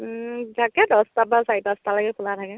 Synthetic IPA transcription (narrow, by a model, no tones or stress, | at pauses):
zʱakɛdɔstabasajipastalaɡɛpʰʊlatʰakɛ